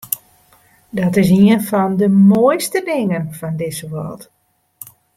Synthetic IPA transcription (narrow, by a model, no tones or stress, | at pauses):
dɔtɪs̬iənfɔndəmojstədɪŋənfɔndɪsəʋɔ̰lˠt